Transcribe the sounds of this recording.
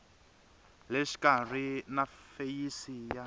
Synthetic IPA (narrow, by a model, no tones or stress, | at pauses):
leʃi̥karinafejisija